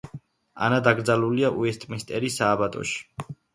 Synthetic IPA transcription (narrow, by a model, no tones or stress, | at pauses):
a̰nad̪aɡɾd̪zaluliaʔuɛst̪ʼmist̪ʼɛɾisaːbat̪ʼɔ̰ʃi̥